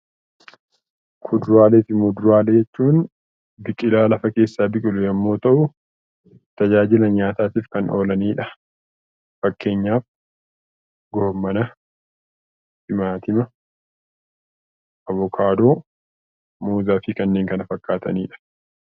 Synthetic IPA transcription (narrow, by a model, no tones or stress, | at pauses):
kʰʊd̪ɾaːleːfɪmʊd̪ɾaːled͡ʒɛt͡ʃːuːn | bɪkʼɪlaːlɐfɐke̞ːsːaːbɪkʼɪlʊjɐmːo̞ːt̪ɐʔʊ | t̪ɐd͡ʒaːd͡ʒɪlɐɲaːt̪aːt̪iːfkɐnʔo̞ːlɐniːᶑɐ | fɐkːe̞ːɲːaːf | ɡɔhmːɐnɐ | hɪmaːt̪ɪmɐ | ʔɐβɔkʰaːd̪o̞ː | muːzaːfɪkɐnːe̞ːŋkɐnɐfɐkːaːt̪ɐ̰niːᶑɐ̥